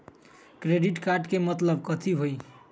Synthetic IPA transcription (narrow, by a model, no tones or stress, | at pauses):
kɾeɖiʈkaɾɖkemʌt̪ləb̚kʌt̪ʰiɦoj